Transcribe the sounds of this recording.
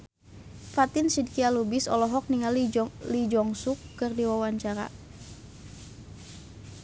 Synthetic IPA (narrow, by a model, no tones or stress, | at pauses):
fat̪ɪnsid̚kialubɪsɔ̰lɔɦɔk̚niŋallid͡ʒɔŋsukːɨrdiwawaɲt͡ʃaɾa̰